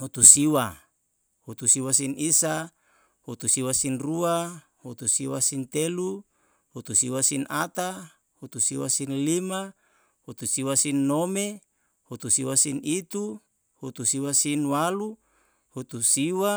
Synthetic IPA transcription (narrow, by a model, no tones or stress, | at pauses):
hut̪usiwa | hut̪usiwasinisa | hut̪usiwasinrua | hut̪usiwasint̪elu | hut̪usiwasinat̪a | hut̪usiwasinlima | hut̪usiwasinːome | hut̪usiwasinit̪u | hut̪usiwasinwalu | hut̪usiwa